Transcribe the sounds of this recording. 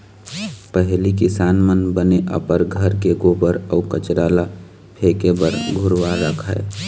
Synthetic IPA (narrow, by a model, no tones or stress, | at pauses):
pəɦlik̬ɪsaːnmənbəneʔə̰pəɾɡʱəɾkeɡobəɾəːkət͡ʃɾaːla | pʰeːkebəɾɡʱʊɾʋaɾəkʰae